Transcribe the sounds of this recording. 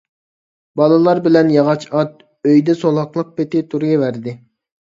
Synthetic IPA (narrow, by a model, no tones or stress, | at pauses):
bɑlˠɨlˠɑɾbɪlɛnjɑʁɑt͡ʃɑt̪̚ | øjd̪ɛsolˠɑqlˠəq̚pet̪ɪt̪ʰuɾɡʲɛvæɾd̪ɪ